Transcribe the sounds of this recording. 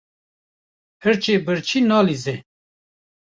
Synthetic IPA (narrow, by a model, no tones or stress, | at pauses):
hɨɾt͡ʃeːbɨɾt͡ʃʰinɑːlize